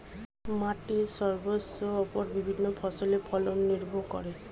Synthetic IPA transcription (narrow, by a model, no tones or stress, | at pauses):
matiɹsɔɹbɔsɔːpɔɹbibʱinːɔpʰɔsɔlepʰɔlɔnːiɹbʱɔkɔ̰ɹɛs